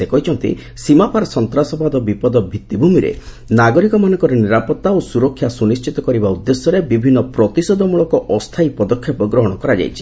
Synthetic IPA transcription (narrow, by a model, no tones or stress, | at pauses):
sekɔɦit͡ʃʰɔnt̪ḭ | simapaɾɔsɔnt̪ɾasɔbad̪ɔbipɔd̪ɔbʱit̪ːibʱumiɾḛ | naɡɔɾikɔmanɔ̃ŋkɔɾɔniɾapɔt̪ːaosuɾɔkʰːjasunist͡ʃit̪ɔkɔɾibaud̪ːesjɔɾebibʱinːɔpɾɔt̪isɔd̪ʱɔmuɭɔkɔʔɔst̪ʰajpɔd̪ɔkʰːjɔpɔɡɾɔɦɔɽ̃ɔkɔɾad͡ʒa̰jt͡ʃʰi̥